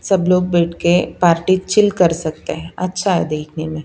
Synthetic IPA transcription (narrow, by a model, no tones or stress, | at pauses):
sɐbloːɡ̚bɛːʈʰkepaːɾʈit͡ʃɪlkɐɾsɐk̚t̪eɦɛ̃ɐtːʃʰaɦɛ̰d̪eːkʰnemẽ